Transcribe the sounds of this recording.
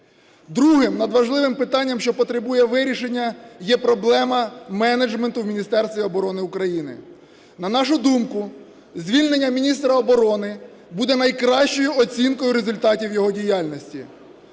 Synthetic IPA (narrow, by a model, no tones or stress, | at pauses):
d̪ɾuɦɪmnɐd̪ʋɐʒlˠɪʋɪmpɪt̪ɑnʲːɐmʃt͡ʃɔpɔt̪ɾebujɛʋɪɾʲiʃenʲːɐjɛpɾɔblˠɛmɐmɛned͡ʒment̪ʊwmʲinʲist̪ɛrst̪ʋʲiɔbɔɾɔnɪʊkɾɐjinɪ̰ | nɐnɑʃʊd̪umkʊ | zʲʋʲilʲnenʲːɐmʲinʲist̪ɾɐɔbɔɾɔnɪ | bud̪ɛnɐjkɾɑʃt͡ʃɔjʊɔt͡sʲinkɔjʊɾezʊlʲt̪ɑtʲiwjɔɦɔdʲijɑlʲnʲɔsʲtʲḭ